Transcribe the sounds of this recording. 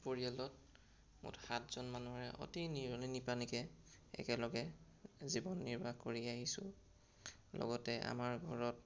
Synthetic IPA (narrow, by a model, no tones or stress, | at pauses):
poɹijalɔt̚ | mʊ̰txatʰz̥ɔnmanuɹɛʔo̰tiniɔlinipanikɛɛ̰kɛlɔɡɛzibɔnːiɹbʱakoɹiaɦisʊ̰̃ | lɔ̰ɡɔtɛa̰maɹɡʱɔɹɔt